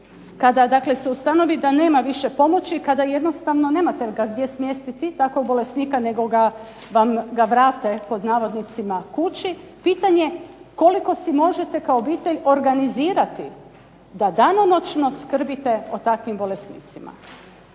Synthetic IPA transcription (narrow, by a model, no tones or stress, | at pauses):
kad̪ad̪akle̞seust̪ano̞ʋid̪ane̞ːmaʋiʃe̞po̞mo̞t͡ɕikad̪aje̞d̪no̞st̪aʋno̞ne̞ːmat̪eɡaɡd̪je̞smjest̪it̪it̪akoɡ̚bo̞lesniːkane̞ɡo̞ɡa | ʋamɡaʋɾaːt̪e̞po̞d̪naːʋo̞d̪nit̪simakut͡ɕipiːt̪aɲe̞ko̞liko̞simo̞ʒe̞t̪e̞kaoːbiːt̪e̞ʎo̞ɾɡaniziːɾat̪i | d̪ad̪ano̞no̞t͡ʃno̞skr̩bit̪e̞ot̪akʋimbo̞lesnḭːt̪sima̰